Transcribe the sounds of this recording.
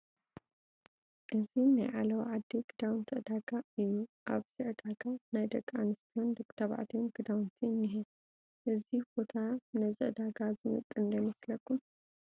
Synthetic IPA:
ʔɨzinajʕalɐwʕad̪ːiɡ̥ɨd̪awnt̪ʰɨʔd̪aɡaɨjːuʔaβsɨʕɨd̪aɡanajd̪ɐkʼːanɨst̪ʰijond̪ɨkʼt̪ʰaβa̰ʕt̪ʰionɡɨd̪awnt̪ʰinːiɦɛ | ʔɨzib̥o̞t̪ʰanɐzɨʔd̪aɡazɨmɨ̰t̪ʼːɨnd̪ɐnɐslɐkːun

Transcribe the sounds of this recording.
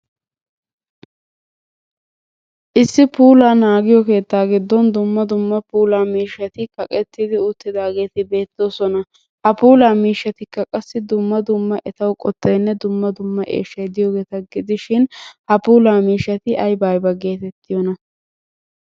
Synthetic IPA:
ʔɪsːɪpuːlaːnaːɡɪjɔke̞ːt̪ːaːɡɪd̪ːɔnd̪ʊmːɐd̪ʊmːɐpuːlaːmiːʃːɐt̪ɪkɐkʼɛt̪ːɪd̪ɪʊt̪ːɪd̪aːɡe̞ːt̪ɪbe̞ːt̪ːoːsɔnɐ | hɐpuːlaːmiːʃːɐt̪ɪkːɐkʼɐsːɪd̪ʊmːɐd̪ʊmːɐʔɛt̪ɐwkʼɔt̪ːɐjnːɛd̪ʊmːɐd̪ʊmːɐʔeːʃːɐjd̪ɪjoːɡe̞ːt̪ɐɡɪd̪ɪʃɪnhɐpuːlaːmiːʃːɐt̪ɪʔɐjbajbɐɡe̞ːt̪ɛt̪ːɪjɔnɐ

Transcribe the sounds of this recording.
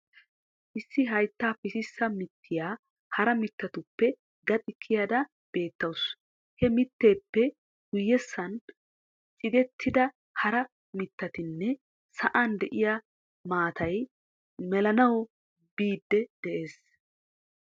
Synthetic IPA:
ʔɪsːɪɦɐjt̪ːaːpɪsɪsːɐmɪt̪ʰːɪjaː | hɐɾɐmɪt̪ːɐt̪ʊpːɛ | ɡɐt̪ʼɪkʰːɪjaːd̪ɐ | b̥e̞ːt̪ːɐws | hɛmɪt̪ːe̞ːpːɛ | ɡ̥ʊjːɛsːɐn | t͡ʃʼɪɡ̪ɛt̪ʰːɪd̪ɐ | hɐɾɐ | mɪt̪ːɐt̪ɪnːɛ | sɐʔand̪ɛʔɪja | maːt̪ɐj | mɛlɐnɐwɔ | b̥iːd̪ːɛd̪̥ɛʔe̞ːs

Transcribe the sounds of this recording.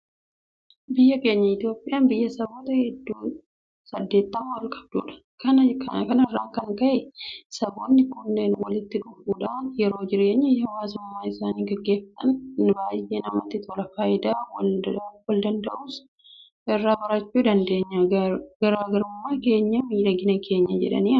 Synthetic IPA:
bɪjːɐke̞ːɲːɐɪt̪jo̞ːpʼːɪjʔaːnbɪjːɐsɐboːt̪ɐhɛd̪ːuː | sɐd̪ːe̞ːt̪ːɐmɐwɐlkʼɐ̥b̚d̪ṵːᶑɐ̥ | kɐnɐkɐnɐrːaːŋkɐŋkɐʔesɐboːnːɪkʊnːeːnwɐlɪt̪ːɪᶑʊfuːᶑaːnjɛɾo̞ːd͡ʒɪɾeːɲːɪɐwaːsʊmmːaːɪsaːniːɡɐɡːe̞ːfɐt̪ʼɐnbaːjːeːnɐmɐ̰t̪ːɪt̪ʰɔlɐfaːjɪd̪aːwɐlwɐld̪ɐnd̪ɐʔuːs | ʔɛrːaːbɐɾɐt͡ʃːuːd̪ɐnd̪e̞ːɲːɐɡɐɾaːɡɐɾʊmːaːke̞ːɲːɐmiːᶑɐɡɪnɐkʰe̞ːɲːɐd͡ʒɛ̰ᶑɐ̰niː

